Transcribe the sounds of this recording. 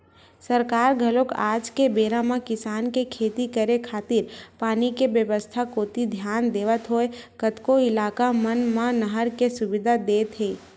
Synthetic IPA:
səɾkaːɾɡʱɐloka̰ːd͡ʒkebeːɾãmãkɪsaːnkekʰeːt̪ikəɾekʰaːt̪ɪɾpaːnikebjəʋəst̪ʰakoːt̪id̪ʱjaːnd̪eːʋət̪ɦoekət̪koɪlaːkamənmãnəɦəɾkesʊbɪd̪ʱad̪eːt̪ɦeː

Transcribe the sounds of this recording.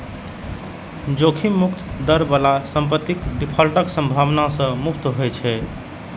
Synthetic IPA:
d͡ʒokʰimukt̪d̪əɾbəlasəmpət̪ːikɖipʰəlʈəksəmbʱaʋnasə̃mukt̪ɦojt͡ʃʰɛ

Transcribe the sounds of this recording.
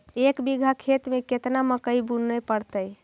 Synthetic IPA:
ekbiɡʱakʰet̪meket̪naməkəjbunːəpəɽt̪əj

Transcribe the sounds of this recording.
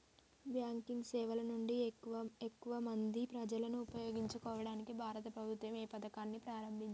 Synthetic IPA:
bjaːŋkiŋɡsɛːʋɐlɐnuɳɖiʋɐekːuʋɐmɐnd̪ipɾɐd͡ʒɐlɐnuːpɐjoːɡiɲt͡ʃukɔːʋɐɽaːnikibʱaːɾɐt̪ɐpɾɐbʱut̪ʋɐmɛːpɐd̪ɐkaːnːipɾaːɾɐmbʱit͡ʃ

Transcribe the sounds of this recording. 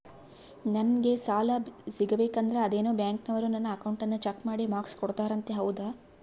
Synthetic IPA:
nɐnɡe̞saːlɐsiɡɐbeːkɐnd̪ɐɾeɐd̪eːnoːbjaːŋknɐʋɐɾunɐnːɐɐkɐwɳʈɐnːɐt͡ʃɐkmaːɽimaːkskɔɽt̪aːɾɐnt̪e̞ɦɐwud̪a

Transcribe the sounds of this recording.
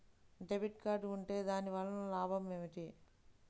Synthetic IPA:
ɖebiʈ̚kaːɾɖuɳʈe̞ːd̪aːniʋaːɭːɐnulaːbʱɐmeːʋiʈi

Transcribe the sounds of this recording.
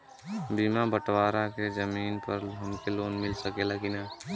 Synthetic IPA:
biːmabəʈwaːɾakezəmiːnpɐɾɦɐmkeloːnmɪlsəkelakɪnaː

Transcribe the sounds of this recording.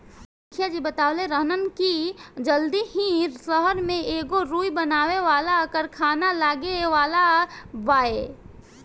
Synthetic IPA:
kʰjad͡ʒiːbət̪aːleɾəɦnənkid͡ʒəld̪ihĩsəɦəɾmẽeːɡoɾuːibənaːʋeʋaːlakəɾkʰaːnalaːɡeʋaːlabaːe

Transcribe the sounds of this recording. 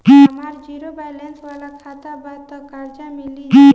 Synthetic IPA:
ɦmaɾd͡ʒiɾobajlensʋalakʰat̪abat̪əkaɾd͡ʒamili

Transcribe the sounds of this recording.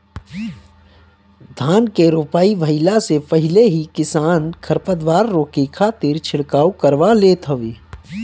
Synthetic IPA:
d̪ʱaːnkeɾoːpaːiʋʱəɪlasepəɦɪleɦikɪsaːnkʰəɾpəd̪ʋaːɾːoːkikʰaːt̪ɪɾt͡ʃʰɪɽkaːukəɾʋaleːt̪ʰɦɐʋeː

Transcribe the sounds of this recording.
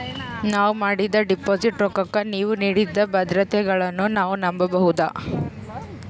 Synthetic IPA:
naːʋumaːɽid̪ɐɖipoːd͡ʒiʈɾɔkɐkːɐniːʋuniːɽid̪ːɐbɐd̪ɾɐt̪ɛɡɐɭɐnːunaːʋunɐmbɐbɐɦud̪a

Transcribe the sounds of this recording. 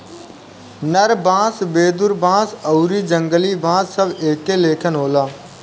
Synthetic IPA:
nəɾbãːsbeːd̪ʊɾbãːsəuɾiːd͡ʒə̃ŋɡəliːbʱãːsːəbeːkeleːkʰənɦoːlaː

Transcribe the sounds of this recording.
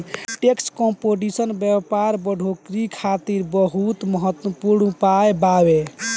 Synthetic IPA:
ʈekskõmpoɖisənbjəpaɾbəɖʱokɾikʰat̪iɾbəɦut̪məɦət̪wəpuɾnpajbawe

